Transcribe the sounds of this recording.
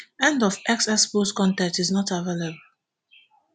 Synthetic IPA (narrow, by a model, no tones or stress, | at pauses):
ɛ̃ndɔfɛksɛsposkɔ̃ntɛ̃ntiznɔtavelebəl